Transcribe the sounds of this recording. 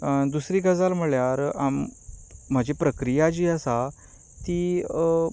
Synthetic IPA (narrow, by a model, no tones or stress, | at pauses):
d̪usɾiːɡəd͡zalm̤əɭjaɾam̤ː | əd͡ʑʱepɾəkɾijad͡ʑiːəsa | t̪iː